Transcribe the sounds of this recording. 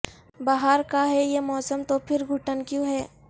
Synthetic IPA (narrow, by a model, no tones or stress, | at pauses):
baːɦaɾkaɦɛjemɔːsəmt̪opʰɪɾɡʱʊʈənkjõːɦɛː